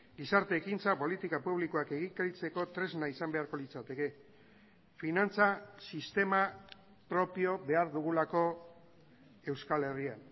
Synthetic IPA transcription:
ɡisaɾt̪e̞ːkint͡sapo̞lit̪ikapuβ̞likoake̞ɣikait͡se̞ko̞t̪ɾe̞znaisambe̞aɾko̞lit͡sat̪e̞ke̞ | finant͡sasist̪e̞ma | pɾo̞pio̞βe̞aɾðuɣ̞ulako̞ | e̞wskale̞rian

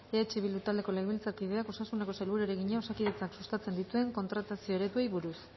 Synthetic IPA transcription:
eat͡ʃiβild̪ut̪ald̪e̞ko̞leɣeβilt͡sakiðe̞ako̞sasuneko̞salβuɾueɾeɣiɲao̞sakiðe̞t͡saksust̪at͡se̞nd̪it̪ue̞ŋko̞nt̪ɾat̪asio̞eɾe̞t̪uejβuɾus

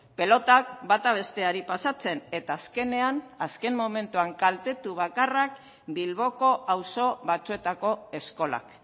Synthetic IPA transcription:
pe̞lo̞t̪akbat̪aβ̞e̞st̪e̞aɾipasat͡se̞ne̞t̪aːske̞ne̞anaske̞mmːome̞nt̪uaŋkalt̪e̞t̪uβ̞akarak̚ | bilβo̞ko̞ʔawso̞βat͡sue̞t̪ako̞e̞sko̞la̰k

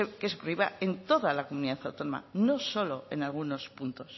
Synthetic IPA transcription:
kesekɾiβa̰e̞nt̪o̞ðalakomuniðaθawt̪o̞noma̰no̞so̞lo̞e̞nalɣ̞uno̞spunt̪o̞s

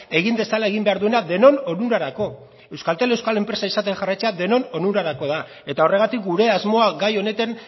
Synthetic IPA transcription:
e̞ɣind̪e̞salae̞ɣimbe̞aɾðue̞naðe̞no̞no̞nuɾaɾako̞ | e̞wskalt̪e̞le̞wskale̞mpɾe̞saisat̪e̞xarajt͡se̞aðe̞no̞no̞nuɾaɾako̞ða | e̞t̪ao̞re̞ɣ̞at̪ikɡuɾe̞azmo̞aɡajo̞ne̞t̪an

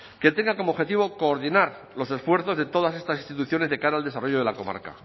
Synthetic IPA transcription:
ket̪e̞ŋɡako̞moβxe̞t̪iβo̞ko̞ːɾðinaɾ | lo̞se̞sfwe̞ɾθo̞zðe̞t̪o̞ðasest̪asist̪it̪uθjo̞ne̞zðe̞kaɾaːld̪e̞saro̞ʝoð̞e̞lako̞ma̰ɾka̰

